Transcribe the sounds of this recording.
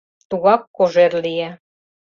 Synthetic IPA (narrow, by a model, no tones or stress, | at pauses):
t̪uɣɑkːoʒeɾlijæ